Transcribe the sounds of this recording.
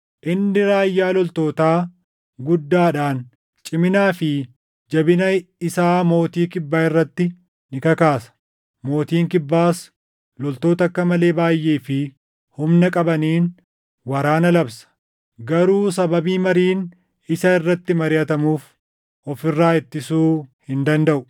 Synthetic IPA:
ʔɪnːɪɾaːjːaːlɔlt̪o̞ːt̪aː | ɡʊd̪ːaːᶑaːn | t͡ʃʼɪmɪnaːfɪ | d͡ʒɐbɪnɐɪsaːmo̞ːt̪iːkɪbːaːɪrːɐt̪ːɪ | nɪkɐkaːsɐ̥ | mo̞ːt̪iːŋkɪbːaːs | lɔlt̪o̞ːt̪ɐkːɐmɐle̞ːbaːjːe̞ːfɪ | hʊmnɐkʼɐbɐniːn | wɐɾaːnɐlɐbsɐ̥ | ɡɐɾuːsɐbɐbiːmɐɾiːn | ɪsɐɪrːɐt̪ːɪmɐɾɪjɐt̪ɐmuːf | ʔɔfɪrːaːɪt̪ːɪsuːhɪnd̪ɐnd̪ɐʔʊ

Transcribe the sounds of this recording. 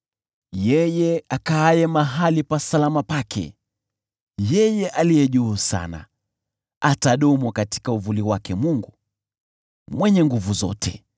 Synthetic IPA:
jɛjɛakaːjɛmaɦalipasalamapakʰɛ̰ | jɛjɛʔalijɛʄuːsa̰na̰ | ataɗɔmɔkati̥kauvuliwakɛmuŋɡu | mwɛɲɛŋɡuvuzɔ̰tʰɛ

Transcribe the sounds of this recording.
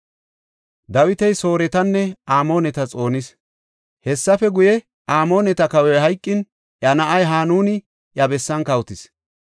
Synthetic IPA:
d̪ɐwɪt̪ɛjso̞ːɾɛt̪ɐnːɛaːmo̞ːnɛt̪ɐt͡sʼo̞ːnɪs | hɛsːɐfɛɡʊjɛ | ʔaːmo̞ːnɛt̪ɐkɐwɛɦɐjkʼːɪn | ʔjɐnɐʔɐjɦaːnuːnɪ | ʔjɐbɛsːɐnkɐwt̪ɪs

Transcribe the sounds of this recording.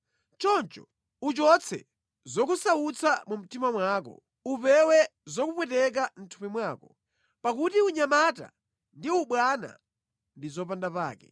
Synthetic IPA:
t͡ʃɔnt͡ʃɔ | ut͡ʃɔt͡sʰɛ̰ | zɔkusaut͡sʰamum̩timamwaːkɔ̰ | upɛwɛzɔkupwɛtɛk̬am̩tʰupimwaːkɔ | pakutiuɲamata̰ | ndiuɓwana̰ | ndizɔpandapa̰ːkɛ̰

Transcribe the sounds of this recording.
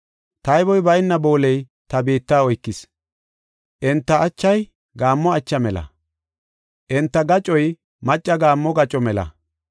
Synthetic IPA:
t̪ɐjbɔjbɐjɪnːɐbo̞ːlɛj | t̪ɐbeːt̪ːaːɔjkːɪs | ʔɛnt̪ːɐːt͡ʃːɐj | ɡaːmːɔɐt͡ʃːɐmɛlɐ̰ | ʔɛnt̪ːɐɡɐt͡ʃʼɔj | mɐt͡ʃʼːɐɡaːmːɔɡɐt͡ʃʼɔmɛlɐ̰

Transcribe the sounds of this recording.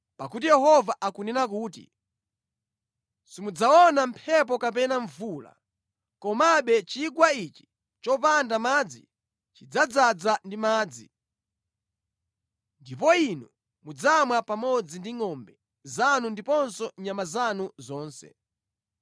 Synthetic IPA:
pakut̬ijɛɦɔvaʔakunɛnak̬uːtḭ | simud͡zaɔnampʰɛp̬ɔkap̬ɛnaɱvuːla̰ | kɔmaɓɛt͡ʃiɡwait͡ʃi̥ | t͡ʃɔp̬andamaːd͡zḭ | t͡ʃid͡zad͡zad͡zandimaːd͡zḭ | ndip̬ɔinu | mud͡zamwapamɔd͡zindiŋɔmbɛ | zanundipɔnsɔɲamazanuzɔːnsɛ̰

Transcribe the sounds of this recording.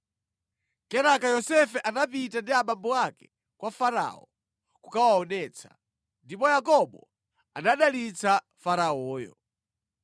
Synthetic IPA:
kɛɾakajɔsɛfɛʔanapitandiaɓambɔakɛ | kwafaɾa̰ɔ̰ | kukawaɔnɛːt͡sʰḁ | ndipɔjakɔɓɔ | anaɗalit͡sa | faɾaɔːjɔ̰

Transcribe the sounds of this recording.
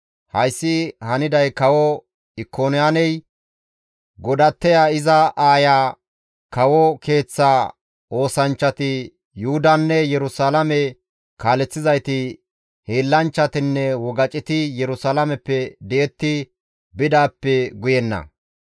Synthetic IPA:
hɐjsːɪhɐnɪd̪ɐjkɐwɔ | ɪkʰːoːnɪjaːnɛj | ɡɔd̪ɐt̪ːɛjaɪzɐʔaːjaː | kɐwɔke̞ːt͡sːa | o̞ːsɐnt͡ʃːɐt̪ɪ | jʊhʊd̪ɐnːɛjɛɾʊsaːlɐmɛ | kaːlɛt͡sːɪzɐjt̪ɪ | heːlːɐnt͡ʃːɐt̪ɪnːɛwɔɡɐt͡ʃʼɪt̪ɪjɛɾʊsaːlɐmɛpːɛd̪ɛɛt̪ːɪ | bɪd̪aːpːɛɡʊjɛnːɐ̰

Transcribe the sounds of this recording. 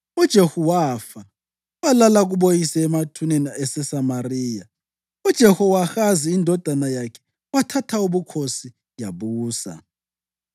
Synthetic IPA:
ud̥ʒ̥ʱehuwafa | walalaɣuɓojisɛːmatʰunɛnaɛsɛsamariːja | ud̥ʒ̥ʱɛhɔwaxaziindʱɔd̥ʱanajakʰɛ̥ | watʰatʰauβukʰosi | jaβuːsa̰

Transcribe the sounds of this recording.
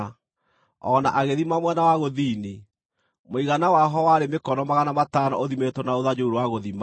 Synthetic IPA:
ɔnaʔaɣeðimamwɛnawaɣoðiːni | moiɣanawaɦɔwaɾemekɔnɔmaɣanamatanɔ̰ʔoðimetɔnaoðad͡ʑouɾowaɣoðima

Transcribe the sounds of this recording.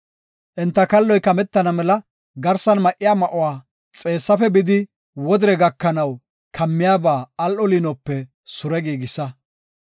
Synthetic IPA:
ʔɛnt̪ːɐkɐlːɔjkɐmɛt̪ːɐnɐmɛlɐ | ɡɐɾsɐnmɐʔɪjaːmɐʔʊwaː | t͡sʼe̞ːsːɐfɛbɪd̪ɪ | wɔd̪ɪɾɛɡɐkːɐnɐw | kʰɐmːɪjaːbaːɐlʔɔlinɔpːɛ | sʊɾɛɡiːɡɪsɐ

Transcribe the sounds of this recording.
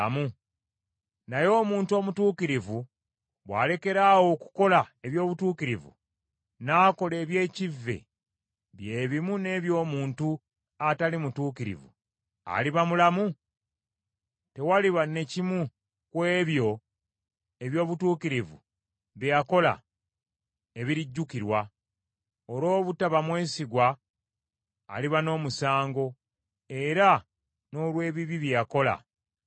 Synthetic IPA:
mu | najo̞ːmuːntuo̞ːmutuːkiɾivu | βwa̰ːle̞ke̞ɾawo̞ku̥ko̞lae̞βjo̞ːβutuːkiɾivṵ | naːko̞le̞ːβje̞ːcivːe̞̰ | βje̞ːβimune̞ːβjo̞ːmuːntu | atalimutuːkiɾḭvṵ | a̰liβamulamu | te̞waliβane̞cimu | kwe̞ːβjo̞ | e̞βjo̞ːβutuːkiɾivṵ | βjako̞la̰ | e̞βiɾiɟːukiɾwa | oɾo̞ːβutaβamwe̞ːsiɡwa | liβano̞ːmusaːŋɡo̞ | e̞ɾa | no̞ːlwe̞ːβiβiβjako̞la̰

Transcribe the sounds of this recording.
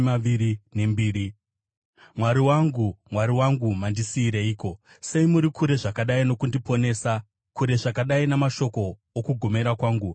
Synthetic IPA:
aiɾine̞mbiːɾi | mwaɾiwaŋɡumwaɾiwaŋɡumandisiːɾeiːko̞ | se̞imuɾikʰuɾe̞ʐakaɗaino̞kundipo̞ne̞ːsa | kuɾe̞ʐakaɗainamaʃo̞ko̞ː | kuɡʱo̞me̞ɾakwaːŋɡu

